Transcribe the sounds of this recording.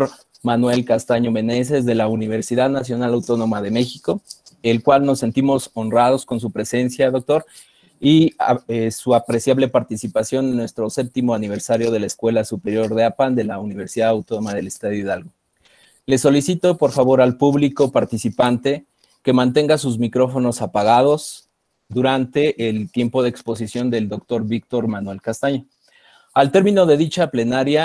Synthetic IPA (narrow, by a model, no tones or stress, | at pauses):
ɾ | manwe̞lkast̪aɲome̞ne̞s̬ezðe̞launiβe̞ɾsiðaðnas̬jo̞nalawt̪o̞no̞maðe̞me̞xiko̞ | elkwalno̞sːe̞nt̪imo̞so̞nrað̞o̞sko̞ns̬upɾe̞se̞nsjaðo̞k̚t̪o̞ɾ | iesuapɾe̞sjaβle̞paɾt̪isipasjo̞nenːwe̞st̪ɾo̞sep̚t̪imo̞aniβ̞e̞ɾsaɾjo̞ð̞e̞laeskwe̞lasupe̞ɾjo̞ɾðeapand̪e̞launiβ̞e̞ɾsiðaðawt̪onomaðe̞lest̪aðjoiðalɣo | le̞so̞lisit̪o̞po̞ɾfaβo̞ɾalpuβliko̞paɾt̪isipant̪e̞ | ke̞mãnt̪̬e̞ŋɡas̬uzmikɾo̞fo̞no̞sapaɣ̞að̞o̞z | d̪uɾant̪e̞ʔːlt̪je̞mpo̞ð̞eekspo̞s̬isjo̞nd̪eld̪o̞k̚t̪o̞ɾβikt̪o̞ɾmanwe̞lkast̪aɲo | alt̪e̞ɾmĩno̞ðe̞ðit͡ʃaple̞naɾja